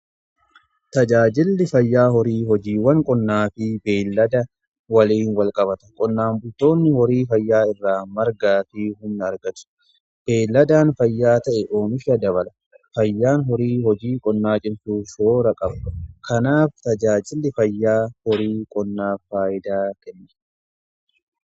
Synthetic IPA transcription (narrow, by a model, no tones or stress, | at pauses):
t̪ɐd͡ʒaːd͡ʒɪlːɪfɐjːaːɦɔɾiːɦɔd͡ʒiːwɐŋkʼɔnːaːfɪbeːlːɐd̪ɐ | wɐliːnwɐlkʼɐbɐt̪ɐ̥kʼɔnːaːmbʊt̪ːo̞ːnːɪhɔɾiːfɐjːaːɪrːaːmɐɾɡaːfɪɦʊnːɐɾɡɐt̪ʊ̥ | b̥e̞ːlːɐd̪aːnfɐjːaːt̪ɐʔɛʔoːmɪʃɐd̪ɐβɐlɐ | fɐjːaːnɦɔɾiːhɔd͡ʒiːkʼɔnːaːt͡ʃʼɪnsuːʃoːɾɐkʼɐbɐkʰɐnaːft̪ɐd͡ʒaːd͡ʒʼɪlːɪfɐjːaːhɔɾiːkʼɔnːaːfaːjɪd̪aːkɛnːɛ̥